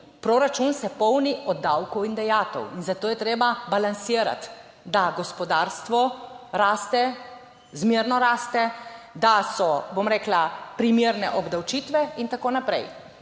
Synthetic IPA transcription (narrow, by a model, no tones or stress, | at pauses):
pɾoːɾat͡ʃunsɛpɔwniʔɔd̪ːawkɔwind̪ɛjaːt̪ɔ̰winzat̪oːjɛt̪ɾeːbabalansiːɾa̰t̪ | d̪aɡɔspɔd̪aɾst̪ʋɔɾaːst̪ɛ | zmeɾnɔɾaːst̪ɛd̪asɔbomɾeːklapɾimjeːɾnɛ̰ʔɔbd̪awt͡ʃit̪ʋɛint̪akoːnapɾɛ̰j